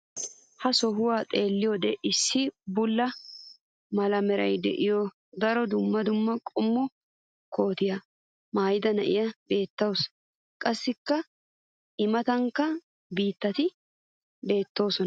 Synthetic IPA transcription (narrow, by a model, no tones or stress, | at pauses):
hɐsɔɦʊwaːt̪ʼe̞ːlːɪjod̪ɛʔɪsːɪbʊlːɐ | mɐlɐmɛɾɐjd̪ɛ̰ʔɪjɔ | d̪ɐɾɔd̪ʊmːɐd̪ʊmːɐkʼɔmːɔ | ko̞ːt̪ɪjɐ | maːjɪd̪ɐnɐʔɪ̰jɐbe̞ːt̪ːɐws | kʼɐsːɪkːɐ | ɪmɐt̪ɐŋkːɐ | biːt̪ːɐt̪ɪ | be̞ːt̪ːo̞ːsɔn